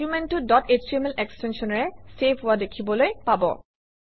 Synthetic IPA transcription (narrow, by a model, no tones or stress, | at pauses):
umɛntudɔtet͡ʃiɛmɛlɛkstɛnsɔnɔɹɛsepʰʊwadekʰibɔlojpabɔ̰